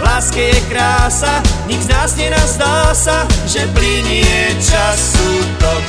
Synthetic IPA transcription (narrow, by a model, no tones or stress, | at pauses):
laːskɛjɛkɾaːsaɲiɡznaːzɲɛnazd̪alsaʒɛpliɲɪɛt͡ʃasut̪ɔ